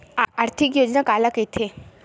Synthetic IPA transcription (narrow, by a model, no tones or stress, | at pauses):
aɾt̪ʰɪkjoːd͡ʒnakaːlaket̪ʰe